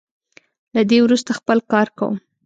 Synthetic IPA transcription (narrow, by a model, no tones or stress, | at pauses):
lad̪ewɾust̪axpəlkɑɾka̰wṵm